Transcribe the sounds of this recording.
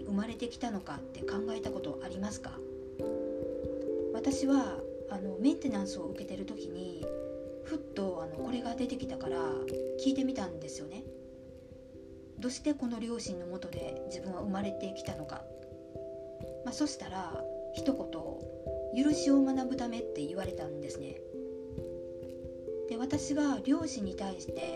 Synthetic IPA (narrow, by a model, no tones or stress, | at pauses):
iɯ̟maɾe̞t̪e̞kʲi̥t̪ano̞kat̪ːe̞kãŋɡae̞t̪ako̞t̪o̞̰ʔaɾʲimasɨ̥ka̰ | β̞at̪aɕiβa | ano̞mẽ̞nt̪e̞nãɰ̃sɨo̞ɯ̟ke̞t̪e̞ɾɯ̟t̪o̞kʲiɲ̟i | ɸɯ̟t̪ːo̞ano̞ko̞ɾe̞ɡad̪e̞t̪e̞kʲi̥t̪akaɾakʲiːt̪e̞mʲit̪ãnd̪e̞sɨjo̞ne̞ | d̪o̞ːɕi̥t̪e̞ko̞no̞ɾʲo̞ːɕĩnːo̞mo̞t̪o̞d̪e̞d͡ʑibɯ̟̃ɰ̃βaɯ̟maɾe̞t̪e̞kʲi̥t̪ano̞ka̰ | maso̞ɕi̥t̪aɾaçi̥t̪o̞ko̞t̪o̞̰jɯ̟ɾɯ̟ɕio̞manabɯ̟t̪ame̞t̪ːe̞iβ̞aɾe̞t̪ãnd̪e̞sɨne̞̰ | d̪̥e̞β̞at̪aɕiɡaɾʲo̞ːɕĩɲ̟ːit̪aiɕi̥t̪e̞